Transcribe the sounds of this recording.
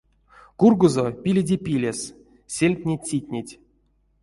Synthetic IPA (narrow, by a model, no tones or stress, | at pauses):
kurɡuzopʲilʲedʲepʲilʲes | sʲelʲkʲnʲesʲitʲnʲetʲ